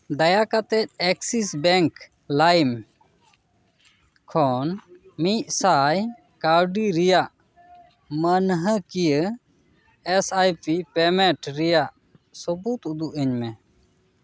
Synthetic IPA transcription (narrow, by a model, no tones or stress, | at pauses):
d̪ajakat̪ɛt̪̚ɛksisbɛŋk | lajm | kʰɔnmiʔ̚saj | kaɾɖiɾijaʔ | mənɦəkijə | ɛsajpipɛmɛ̃ʈɾijaʔ | sɔbut̪ud̪uʔəɲmɛ